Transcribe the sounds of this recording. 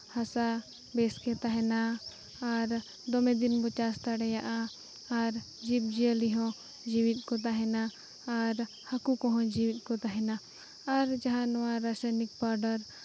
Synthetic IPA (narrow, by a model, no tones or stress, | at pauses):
hasa | bɛskɛt̪aɦɛna | aɾ | d̪ɔmɛ̃d̪inbɔt͡ʃast̪aɽɛjaʔaː | ɾ | d͡ʒip̚d͡ʒiəliɦɔ̃ | d͡ʒiwit̪̚ˀkɔt̪̬aɦɛnaː | ɾ | hakukɔ̃ɦɔ̃d͡ʒiwit̪̚kɔt̪aɦɛnaː | ɾd͡ʒaɦãnɔwaɾasajnik̚baɾɖəɾ